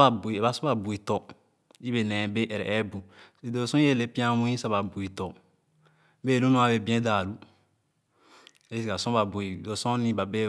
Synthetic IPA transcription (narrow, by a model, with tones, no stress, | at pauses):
a˨bu˨i˨e˨ba˨sɔ̃˦ba˨bu˨i˨tɔ˨ | i˦be˨nɛ̃˨be˦ʔɛ˨ɾɛ̰˨ʔɛ˦bu˨i˨do˨˦sɔ̃˦e˦˨le˦pĩ˦ã˦ũ˦ĩ˦sa˦ba˨bu˨i˨tɔ˨ | be˦˨lu˦nũ˦a˨be˨bĩ˦ɛ̃˦daː˨lu˦ | e˦si˨ka˨sɔ̃˦ba˨bu˨i˨do˨sɔ̃˦nĩ˦ba˨be˦